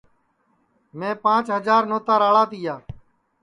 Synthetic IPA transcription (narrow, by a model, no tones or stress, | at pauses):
mẽːpãːt͡ʃɦəd͡ʒaːɾnoːt̪aːɾaːɭaːt̪ɪːjaː